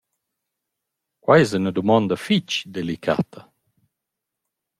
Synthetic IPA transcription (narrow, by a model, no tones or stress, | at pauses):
kwajɛzunəd̪umɔnd̪afit͡ʃd̪elikʰa̰t̪ʰə